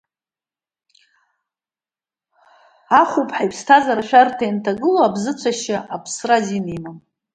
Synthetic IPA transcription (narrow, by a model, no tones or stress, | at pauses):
aχʷupʼħajpʰstʰazaɾaʃᶣartʰajntʰaɡɨloabzɨt͡sʷʰaʃaʔapʰsrazinimam